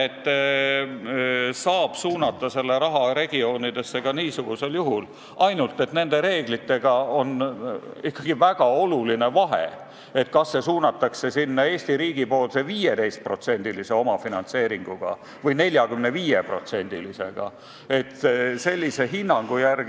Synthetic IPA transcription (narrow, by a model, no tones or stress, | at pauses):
et̪ː | sɑːb̥suːnɑt̪ːˑɑse̞lːe̞ɾɑɦɑɾe̞ɡ̥io̞ːnid̪̥e̞sːe̞ɡ̥ɑniːsuɡ̥use̞ljuɦul | ɑjnult̪ːˑe̞t̪ne̞nd̪e̞ɾe̞ːɡ̥lit̪ːe̞ɡ̥ɑo̞n | ikːɑɡ̥ivæɡ̥ɑo̞luline̞vɑɦḛ | e̞t̪̚kɑsːe̞suːnɑt̪ːˑɑkse̞sinːɑe̞ːsʲt̪iɾiːɡ̥ipo̞ːlse̞viːjed̪̥e̞jst̪̚pro̞t̪se̞nʲd̪̥ilise̞o̞mɑfinɑnt̪se̞ːɾiŋɡ̥uɡ̥ɑ̰ | vɤjne̞lʲjɑɡymne̞viːjepro̞̰t̪se̞nʲd̪̥ilise̞̰ɡ̥ɑ̰ | e̞t̪ese̞lʲːise̞ɦinːɑŋɡ̥ujærɡ